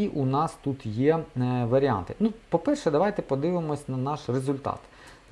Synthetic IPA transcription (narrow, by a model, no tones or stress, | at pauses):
iʔunɑst̪ut̪jɛʋɐɾʲiɑ̰nt̪ɪnupɔpɛrʃɛd̪ɐʋɑjt̪ɛpɔd̪ɪʋɪmɔsʲnɐnɑʃrezʊlʲt̪ɑ̰t̪